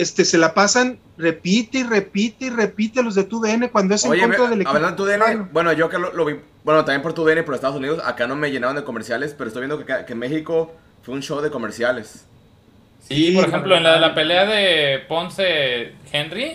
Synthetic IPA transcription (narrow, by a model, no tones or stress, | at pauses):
est̪ese̞lapasan | re̞pit̪eire̞pit̪eire̞pit̪elo̞zðet̪uðeene̞kwand̪oeseokent̪ɾaðeleaβanaet̪uðeeneobwe̞noʝo̞akaloloβi | bwenot̪ambjempoɾt̪uðenepoɾest̪aðosuniðo̞sa̰kanome̞ʝenaβand̪eko̞meɾsjale̞speɾoest̪ojβjend̪okekakemexiko̞ | fweunʃo̞wðeko̞me̞ɾsjale̞s | sioɾexemploenlaðelapeleaðeponsexenri